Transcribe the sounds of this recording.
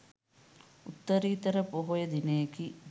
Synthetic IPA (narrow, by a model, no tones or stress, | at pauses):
ut̪ːɐɾiːt̪ɐɾəpoɦojɐd̪inejeki